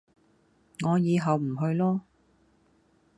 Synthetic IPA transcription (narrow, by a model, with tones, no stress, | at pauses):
ŋɔː˨˧jiː˨˧ɦɐ˨wm̩˨˩ɦɵ˧ɥlɔː˥